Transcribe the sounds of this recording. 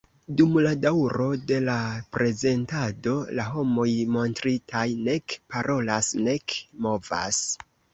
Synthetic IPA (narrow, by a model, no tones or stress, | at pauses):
dumladawɾo̞de̞lapɾe̞ze̞ntado̞laɦo̞mo̞jmo̞ntɾitʰajne̞kpaɾʔo̞lasne̞kmo̞va̰s